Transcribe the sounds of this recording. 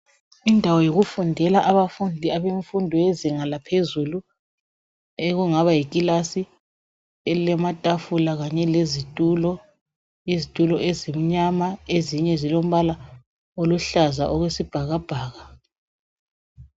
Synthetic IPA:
indʱawɔjoɣufundʱɛlaʔaβafundʱiaβeɱfundʱɔjeziŋalapʰezulu | eɣuŋaβajikʼilasi | ɛlɛmatʼafulaɣaɲɛlezitʼulɔ | izitʼulɔʔezim̩ɲamaeziɲɛzilom̩βala | oluɬaza̰ʔoɣwesib̥ʱaɣab̥ʱaːɣa

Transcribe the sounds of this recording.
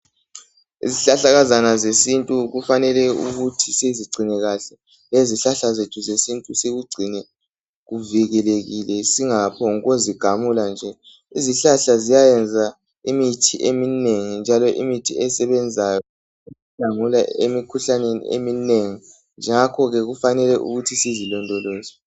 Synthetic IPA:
ḭziɬaɬaɣazanazesintʼuɣufanɛlɛṵɣutʰiseziɡ͡ǀʱinɛɣaɬɛ | leziɬaɬazetʰuzesintʼuseɣuɡ͡ǀʱinɛ | ɣuviɣɛleɣilɛsiŋapʰɔŋɣoziɡ̥ʱamuland͡ʒʱɛ | iziɬaɬazijajɛnd͡zʱa | imitʰiʔemineŋind͡ʒʱalɔʔimitʰiɛsɛβɛnd͡zʱajɔ | iziɬaŋulaḛmikʰuɬanenḭḛmineŋi | nd͡ʒʱɛŋakʰɔɣɛɣufanɛlɛʔṵɣutʰisizilɔndʱɔloːzɔ

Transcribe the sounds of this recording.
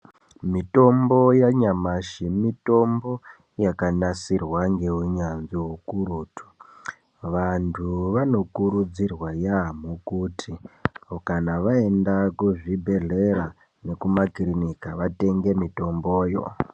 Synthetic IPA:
mito̞mbo̞jaɲamaʃimito̞mbo̞ | jakanasirwaŋɡe̞ɦuɲanziɦukuɾuːtʰu̥ | ʋantʰuʋano̞kuɾud͡zirwajamukutʰikanaʋaendakuʐibʱe̞ɮe̞ɾa | ne̞kumakrinikaʋate̞ŋɡe̞mito̞mbo̞ːjo̰

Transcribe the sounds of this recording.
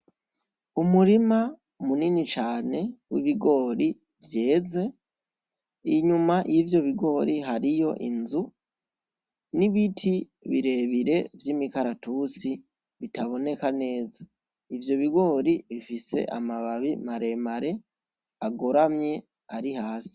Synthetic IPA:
umuɾima | muninit͡ʃaːne̞wiβiɡo̞ːɾi | vjeːze̞ | iɲumajivjo̞βiɡo̞ɾiɦaɾijo̞̰ʔinzu | niβitʰi | βiɾe̞βiɾe̞vjiːmikaɾatut͡si | βitaβo̞ne̞kane̞ːza | ivjo̞βiɡo̞ːɾiβifise̞̰ʔamaβaβimaɾe̞maɾe̞ | aɡo̞ɾamɲe̞ | aɾihaːsi̥

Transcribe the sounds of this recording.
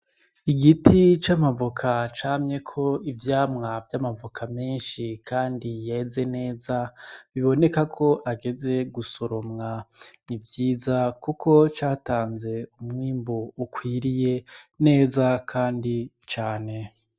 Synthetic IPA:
iɡitit͡ʃamavokʰat͡ʃaːmɲe̞kʰo̞ivjaːmŋavjamavokʰame̞ːnʃikʰaːndijaeze̞ne̞ːzaβiβo̞ne̞kakʰo̞ʔaɡe̞ze̞ɡusoɾo̞mŋanivjiːzakukʰo̞t͡ʃaːtaːnze̞umŋiːmboukwiːɾije̞ne̞ːzakʰaːndit͡ʃaːne̞

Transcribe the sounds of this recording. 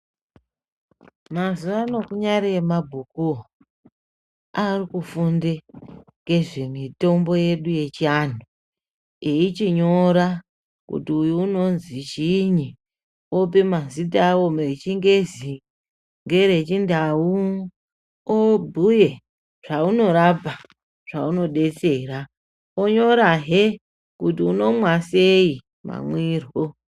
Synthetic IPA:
mazuʋano̞kuɲaɾeemabʱuku | arikufundeŋɡe̞ʐemito̞mbo̞je̞ɗuje̞t͡ʃian̤u | eit͡ʃiɲo̞ɾa | kṵtiujuːno̞nzit͡ʃiɲi | op̬emazitawomeet͡ʃiŋɡe̞zi | ŋɡe̞ɾe̞t͡ʃindau | obʱuje̞ | ʐ̥auno̞ɾapa | ʐ̥a̰uno̞ɗe̞t͡se̞ːɾa | oɲo̞ɾaɦe | kutiuno̞mwasei | ma̰mwiːrɦo

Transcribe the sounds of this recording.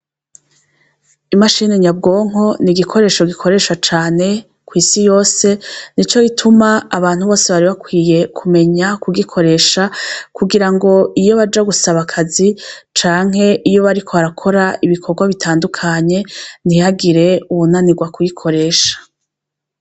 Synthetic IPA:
imaʃiːneɲabɡo̞ːŋ̥o̞niɡikʰo̞ɾe̞ːʃo̞ɡikʰo̞ɾe̞ːʃat͡ʃaːne̞ | kwiːsijo̞ːse̞nit͡ʃo̞jitʰumaːβaːn̥huβo̞ːseβaɾiβakwiːje̞kʰume̞ɲakuɡikʰo̞ɾe̞ːʃakuɡiɾaŋɡo̞ijo̞βad͡ʒaɡusaβakʰazi | t͡ʃaːŋ̥he̞ʔijo̞βaɾikʰo̞aɾakʰo̞ɾaiβikʰo̞ɾɡwaβitʰaːndukʰaɲe̞n̥ihaɡiɾe̞uβunaniɡwakujikʰo̞ɾe̞ːʃḁ

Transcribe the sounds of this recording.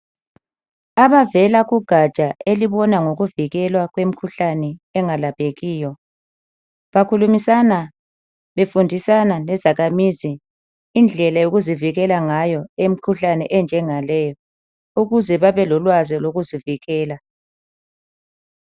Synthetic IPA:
aβavɛlaɣuɡ̥ʱat͡ʃʼaeliβɔnaŋoɣuviɣɛlwaɣwem̩kʰuɬanɛɛŋalapʰeɣiːjɔ | βakʰulumisana | βefundʱisanalɛzaɣamiziː | nd͡ɮʱɛlajoɣuziviɣɛlaŋajɔem̩kʰuɬanɛʔɛnd͡ʒʱɛŋalɛːjɔ | uɣuzɛβaβɛlɔlwaziloɣuziviɣɛːla

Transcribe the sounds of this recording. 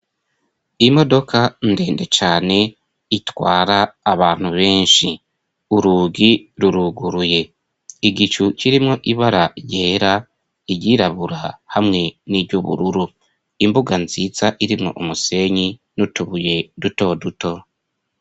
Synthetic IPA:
imo̞do̞kʰande̞ːnde̞t͡ʃaːne̞ | itwaːɾaːβaːn̥huβe̞ːnʃi | uɾuːɡiɾuɾuɡuɾuje̞ | iɡit͡ʃuciɾimŋo̞ʔiβaɾaje̞ːɾa | iɟiːɾaβuɾahamŋe̞niːbɟuβṵɾuɾu | imbuɡanziːzaʔiɾimŋo̞̰ʔumuse̞ɲinutuβuje̞duto̞duto̞

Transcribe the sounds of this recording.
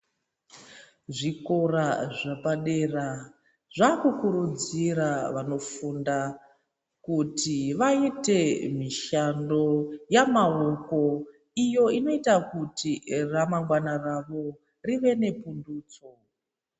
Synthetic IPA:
ʐiko̞raʐapaɗera | ʐakukuɾud͡ziɾaʋano̞funda | kutiʋaite̞miʃando̞jamaoko̞ | ijo̞ino̞itakutiramaŋɡwanaraʋo̞ | riʋe̞ne̞punduːt͡so̞

